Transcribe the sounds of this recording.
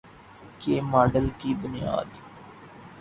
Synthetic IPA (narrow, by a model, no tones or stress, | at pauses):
keːmaːɖəlkiːbʊnɪja̰ːd̪